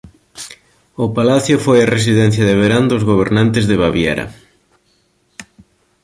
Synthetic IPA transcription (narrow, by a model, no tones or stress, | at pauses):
ʊpalaθjʊfojares̬iðɛn̟θjɐðeβ̞eɾand̪ʊzɣoβ̞eɾnãnt̪ɪzðeβaβjɛ̰ɾɐ̰